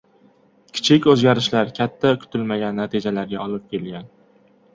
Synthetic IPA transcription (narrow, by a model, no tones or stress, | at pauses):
kʲʰɪ̥t͡ʃʰɪkʲɵzɡʲaɾɪʃlaɾkʲʰat̪ʰːakʰʊ̥t̪ʰɪlmaɡʲanːat̪ʰɪd͡ʒalaɾɡʲaɒlɪp̚kʲʰe̞lɡʲan